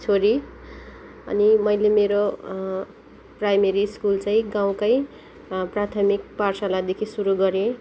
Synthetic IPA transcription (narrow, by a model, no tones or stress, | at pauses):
t͡sʰoɾi | ʌ̰nimʌjlemeɾo | prajmeɾiskult͡saĩɡaw̃kʌj | prat̪ʰʌmik̚parsalad̪ekʰisuɾuɡʌɾẽ